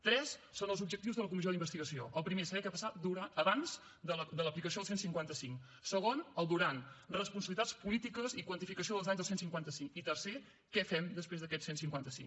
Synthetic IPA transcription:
t̪ɾɛsːonəlˠzubd͡ʒək̚t̪iwzðələk̬umizod̪imbəst̪iɣəsioʔəlˠpɾimesəβɛkɛapəsat̪̚d̪uɾaəβanz | d̪əld̪ələplikəs̬ioðəsensiŋkwant̪əsiŋ | səɣonəlˠd̪uɾanrəspunsəβilit̪at͡sspulit̪ikəzikwənt̪ifikəsioðəlˠzaɲzðəsensiŋkwant̪əsiŋit̪ərse | kɛfɛmd̪əspɾezðəkɛtsensiŋkwant̪əsḭŋ

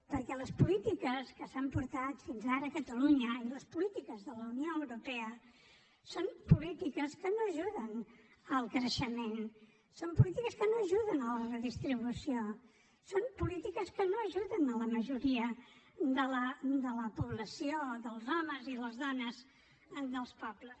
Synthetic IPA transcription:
pəɾkɛləspulit̪ikəskəsampuɾt̪at̪finzaɾəːkət̪əluɲəiləspulit̪ikəzðələunioəwɾupɛə | sompulit̪ikəskənoəʒuðənəlˠkɾəʃəmen | sompulit̪ikəskənoəʒuðənələrəðist̪ɾiβusio | sompulit̪ikəskənoəʒuðənələməʒuɾiə | d̪ələd̪ələpuβləsioðəlˠzɔməziðəlzðɔnəz | d̪əlˠspɔbləs

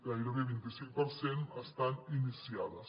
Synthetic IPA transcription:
aiɾokeβent̪isipoɾsenast̪aninisjaðas

